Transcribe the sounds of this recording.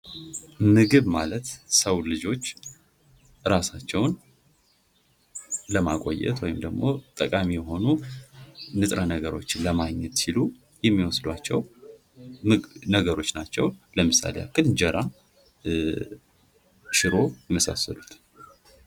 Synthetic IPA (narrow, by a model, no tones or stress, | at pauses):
mɨɡɨβmalət̪səwlɨd͡ʒo̞t͡ʃː | ɾasat͡ʃːɛwn | ləmakʼo̰jːɛ̰t̪wɔjɪmd̪əɡmo̞t̪ʼəkʼamijɛɦo̞nu | nɨt̪ʼɾanəɡəɾo̞̰t͡ʃːɪnləmaɡɲɛt̪silu | jɛmːiwɔsd̪wat͡ʃːɛw | nəɡəɾo̞t͡ʃːnat͡ʃːɛwləmɨsa̰lḛja̰kʰːɨlɨɲd͡ʒəɾʔa | ʃɪɾo̞jɛməsa̰sːəlut̪ʰ